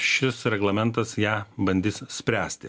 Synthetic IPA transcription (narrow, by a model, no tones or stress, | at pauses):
ʃʲɪsɾʲɛɡlˠɐmʲɛnt̪ɐsjæːbɐnʲd̪ʲiːssʲpʲɾʲæːsʲt̪ʲɪ